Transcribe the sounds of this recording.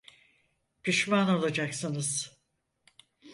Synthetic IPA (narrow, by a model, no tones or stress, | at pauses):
piʃmanolˠad͡ʒaksɯnɯz̥